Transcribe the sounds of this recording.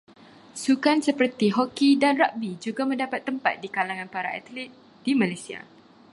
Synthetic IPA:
sukansəpərt̪iɦɔkidanraʔbid͡ʒuɡamə̃ndapat̪ːəmpat̪̚dikalaŋãnpaɾaa̰t̪lit̪̚ | d̥imãlajsia̰

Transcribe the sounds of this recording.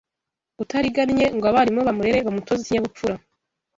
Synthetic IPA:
utaɾiɡanɲe̞ŋɡoaβaɾimŋo̞βamuɾeɾe̞βamuto̞ziiɲaβup͡fuɾa

